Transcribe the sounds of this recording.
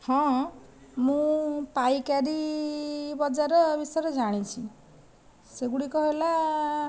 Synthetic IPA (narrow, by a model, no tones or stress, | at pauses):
hɔ̃ | mũpajkaɾi | bɔd͡ʒaɾɔbiseɾed͡ʒaɽ̃it͡ʃʰi | seɡuɽikɔɦela